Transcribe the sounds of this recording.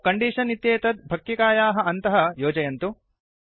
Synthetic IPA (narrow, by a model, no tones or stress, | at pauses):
kɐɳɖiːʂɐnit̪jeːt̪ɐd̪̚bʱɐk̚ːikaːjaːɦɐ̆ʔɐnt̪ɐɦɐjoːd͡ʒɐjɐnt̪u